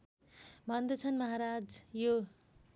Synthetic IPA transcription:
bʱʌnd̪ʌt͡sʰʌnmʌɦaɾad͡zjo

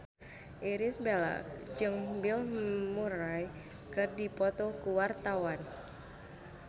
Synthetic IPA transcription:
ʔiɾisbela̰k̚d͡ʒɨŋbilmuɾaj | kɨrdipɔt̪ɔkuwart̪awan

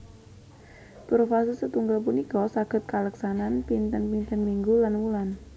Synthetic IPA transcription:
pɾofasɪsət̪uŋɡəlp̬unikɔsaɡ̥ə̤t̪̚kaləksananpint̪ənpint̪ənmiŋɡulanwulan

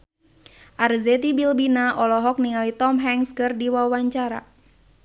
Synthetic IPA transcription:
ʔarzɛt̪ibilbinaʔɔlɔɦɔk̚niŋalit̪ɔmɦɛŋskɨrdiwawaɲt͡ʃaɾa̰

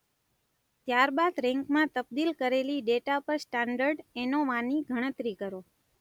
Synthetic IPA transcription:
t̪jaɾbad̪ɾɛ̃ŋkmãt̪əb̚d̪ilkəɾeliɖeʈapəɾsʈaɳɖəɾɖenoʋãniɡʱəɽ̃ət̪ɾikəɾo

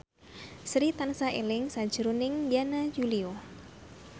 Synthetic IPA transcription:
sɾit̪ansaḛlɪŋsad̥d͡ʒ̥əɾunɪŋjanajulio

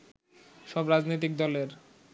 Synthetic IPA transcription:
ʃɔbɾad͡ʑnot̪̬ik̚d̪ɔleɾ

